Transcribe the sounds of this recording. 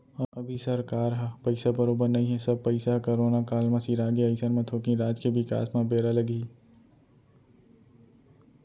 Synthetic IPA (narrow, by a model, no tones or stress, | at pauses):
ɐbʱisɐɾkaːɾɦpɐɪsabɐɾoːbəɾnɐɦĩɦɛsɐb̚pɐɪsakoɾoːnakaːlmɐ̃siɾaːɡeɐɪsəɾmẽt̪ʰoːkĩɾaːd͡ʒkeʋɪka̰ːsmẽbeːɾalɐɡi